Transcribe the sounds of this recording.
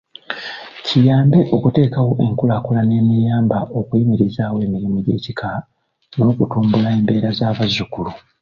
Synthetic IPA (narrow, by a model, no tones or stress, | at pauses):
cʰijaːmbe̞ʔo̞kute̞ːkawo̞ʔe̞ŋkulakulane̞ːmijaːmbaʔo̞kuimiɾizaːwe̞ːmiɾimuɟe̞̰ːcikʰa | no̞ːkutuːmbulae̞ːmbe̞ːɾazaːβazːukulu